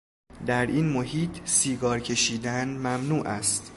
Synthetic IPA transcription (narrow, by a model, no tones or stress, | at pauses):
d̪æɾinmoɦiːt̪ʰsiːɡɒːɾcʰe̞ʃiːd̪ænmæmnuːʔæst̪